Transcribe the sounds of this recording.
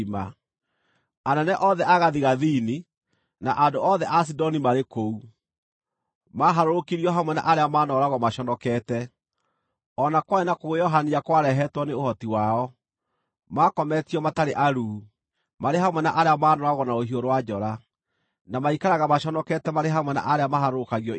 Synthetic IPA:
ma̰ | anɛnɛʔɔðɛʔaɣaðiɣaðiːni | naʔandoɔðɛʔas̬idɔnimaɾekou | maɦaɾoɾokiɾiɔɦamwɛna̰ʔaɾeamaːnɔɾaɣɔmaʃɔnɔkɛːtɛ | ɔnakwaenakoɣojɔɦaniakwaɾɛɦɛtwɔneohɔtiwaɔ | makɔmɛtiɔmataɾeʔaɾuː | maɾeɦamwɛnaʔaɾeamanɔɾaɣɔnaoɦioɾowad͡ʒɔɾa | namaikaɾaɣamaʃɔnɔkɛtɛmaɾeɦamwɛna̰ʔaɾeamahaɾoɾokaɣiɔ

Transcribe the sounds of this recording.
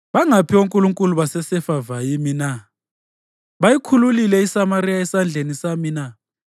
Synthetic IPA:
βaŋapʰioŋkʼuluŋkʼuluβasɛsɛfavajimina | βajikʰululilɛisamaɾijaɛsand͡ɮʱenisamina

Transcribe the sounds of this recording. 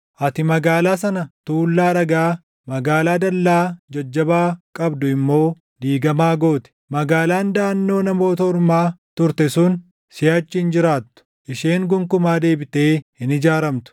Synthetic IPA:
ʔɐt̪ɪmɐɡaːlaːsɐnɐt̪uːlːaːᶑɐɡaː | mɐɡaːlaːd̪ɐlːaːd͡ʒɐd͡ʒːɐbaːkʼɐbd̪ʊɪmːo̞ː | d̪iːɡɐmaːɡo̞ːt̪ɪ̥mɐɡaːlaːnd̪aːnːo̞ːnɐmo̞ːt̪ɐʊɾmaːt̪ʊɾt̪ɛsun | sɪjaːt͡ʃːɪnd͡ʒɪɾaːt̪ːʊ̥ | ʔɪʃeːŋɡʊŋkʊmaːd̪e̞ːbɪt̪e̞ːhɪnɪd͡ʒaːɾɐmt̪ʊ̥

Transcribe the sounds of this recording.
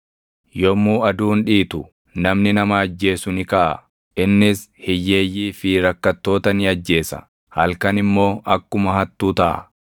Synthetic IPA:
jɔmːuːɐd̪uːnᶑiːt̪ʊ | nɐmnɪnɐmɐːd͡ʒːe̞ːsʊnɪkɐʔɐ̰ | ʔɪnːɪshɪjːe̞ːjːiːfɪɾɐkːɐt̪ːo̞ːt̪ɐnɪɐd͡ʒːe̞ːsɐ̰ | hɐlkɐnɪmːo̞ːʔɐkːʊmɐhɐt̪ːuːt̪ɐʔɐ̰

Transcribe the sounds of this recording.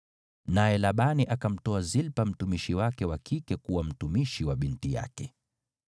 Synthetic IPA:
najɛlaɓaniʔakam̩tɔazilpam̩tumiʃiwakɛwakikɛkuwam̩tumiʃiwaɓintija̰kɛ

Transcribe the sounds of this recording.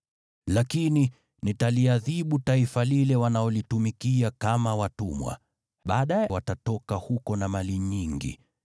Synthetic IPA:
lakini | nitaliaðiɓutaifalilɛwanaɔlitumikiakamawatumwa̰ | ɓaːɗajɛwatatɔkahukɔnamaliɲiŋɡḭ

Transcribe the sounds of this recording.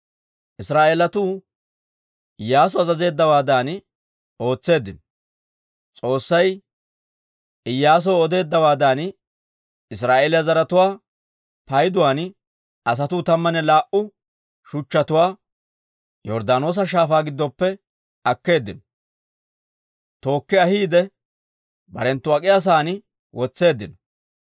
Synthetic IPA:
ʔɪsɾaːʔeːlɐt̪uː | ɪjːaːs̬ɔɐzɐze̞ːd̪ːɐwaːd̪aːn | o̞ːt͡sːe̞ːd̪ːɪnɔ | t͡sʼo̞ːsːɐj | ɪjːaːs̬ɔɔd̪e̞ːd̪ːɐwaːd̪aːn | ɪs̬ɾaːʔeːlɪɐzɐɾɐt̪ʊwaː | pɐjd̪ʊwaːn | ɐs̬ɐt̪ʊːt̪ɐmːɐnɛlaːʔʊ | ʃʊt͡ʃːɐt̪ʊwaː | jɔɾd̪aːno̞ːs̬ɐʃ̬aːfaːɡɪd̪ːɔpːɛ | ɐkːe̞ːd̪ːɪnɔ | t̪o̞ːkːɪɐhiːd̪ɛ | bɐ̰ɾɛnt̪ːʊɐkʼɪjas̬aːn | wʔɔt͡sːe̞ːd̪ːɪnɔ̥

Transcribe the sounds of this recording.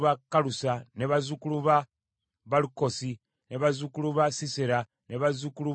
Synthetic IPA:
βakalusaneβazukuluβa | βaluko̞si | neβazukuluβasiseɾa | neβazukulu

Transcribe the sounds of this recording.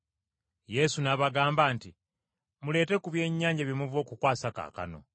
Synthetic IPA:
je̞sunaβaɡaːmbaːnti | mule̞ːte̞kuβje̞ːɲːaːɲɟaβjimuvo̞ːkukwaːsaka̰ːka̰no̞̰

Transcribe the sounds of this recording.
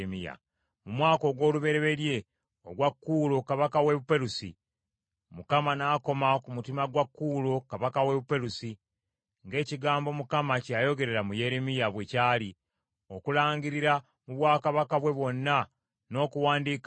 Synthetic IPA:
mija̰ | mumwaːko̞ɡwo̞ːluβe̞ɾe̞βe̞lje̞ | o̰ɡwakːuːlokaβakawe̞βupe̞ɾusḭ | mukamanaːko̞makumutimaɡwakːuːlo̞kaβakawe̞βupe̞ɾusi | ŋɡe̞ːciɡaːmbo̞mukamacajo̞ɡe̞ɾe̞ɾamuje̞ɾemijaβwe̞caːli | o̞kulaːɲɟiɾiɾa | muβwaːkaβakaβwe̞βwo̞nːa | no̞ːkuwaːndiːk

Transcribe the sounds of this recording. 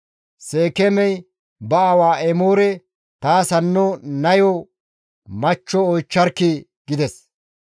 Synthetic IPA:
seːkɛmɛj | bɐɐwaːʔɛmoːɾɛ | t̪aːsɐnːɔnɐjɔ | mɐt͡ʃːɔɔjt͡ʃːɐɾkːɪi | ɡɪd̪ɛs

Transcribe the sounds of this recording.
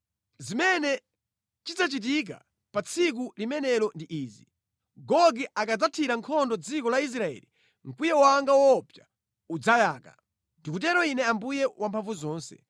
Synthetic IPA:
zimɛnɛ | t͡ʃid͡zat͡ʃit̬ik̬a̰ | pat͡sʰik̬ulimɛnɛlɔndiʔiːzi | ɡɔɡiʔakad͡zatʰiɾaŋkʰɔndɔd͡zikɔlais̬ɾaɛ̰li | ŋ̩kujɛwaŋɡawɔpja | ud͡zajaːka̰ | ndikutɛɾɔinɛambujɛwampʰaɱvuzɔːnsɛ̥̰

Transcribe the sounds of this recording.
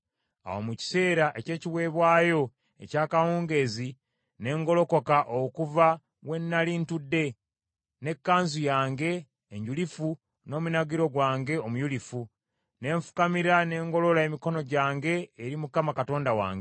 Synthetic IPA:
a̰wo̰muci̥se̞ːɾaʔe̞ce̞ːciβwe̞ːβwaːjo̞ | e̞̰caːkawuːŋɡe̞zi | ne̞ːŋɡo̞lo̞ko̞kaʔokuva | we̞nːaliːntudːe̞ | ne̞kːaːnzujaːŋɡe̞ː | ɲɟulifu | no̞ːmunaɡiɾo̞ɡwaːŋɡe̞omujulifu | ne̞ːɱfu̥kamiɾane̞ːŋɡo̞lo̞lae̞miko̞no̞ɟaːŋɡe̞ːɾimukamakato̞ːndawa̰ːŋɡe

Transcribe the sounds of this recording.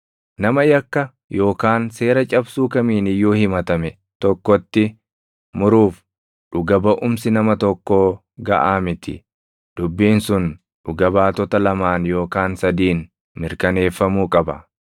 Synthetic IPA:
nɐmɐjɐkːɐ | jo̞ːkaːnse̞ːɾɐt͡ʃʼɐbsuːkɐmiːnɪjːoːhɪmɐt̪ɐmɛ | t̪ɔkːɔt̪ːɪ | mʊɾuːf | ᶑʊɡɐbɐʔʊmsɪnɐmɐt̪ɔkːoː | ɡɐ̰ʔaːmɪt̪ɪ̰ | d̪̥ʊbːiːnsʊn | ᶑʊɡɐbaːt̪ɔt̪ɐlɐmaːnjo̞ːkaːnsɐd̪iːn | mɪɾkɐne̞ːfːɐmuːkʼɐbɐ

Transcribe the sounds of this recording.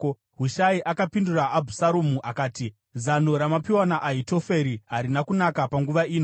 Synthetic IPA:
ɦuʃaiʔakapinduraʔːbʱusaɾomuʔakaːti | zano̞ɾamapiwanaʔaito̞fe̞ɾiɦaɾinakunakapaŋɡuʋaiːno

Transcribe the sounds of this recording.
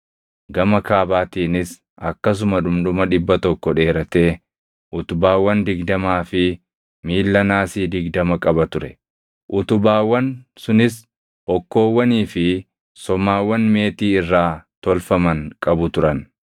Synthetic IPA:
ɡɐmɐkaːbaːt̪iːnɪs | ɐkːɐs̬ʊmɐᶑʊmᶑʊmɐᶑɪbːɐt̪ɔkːɔᶑe̞ːɾɐt̪e̞ː | ʔʊt̪ʊbaːwːɐnd̪ɪɡd̪ɐmaːfɪ | miːlːɐnaːsiːd̪ɪɡd̪ɐmɐkʼɐbɐt̪ʊɾɛ | ʔʊt̪ʊbaːwːɐnsʊnɪs | ʔɔkːo̞ːwːɐniːfɪ | sɔmaːwːɐnme̞ːt̪iːɪrːaːt̪ɔlfɐmɐŋkʼɐbʊt̪ʊɾɐn

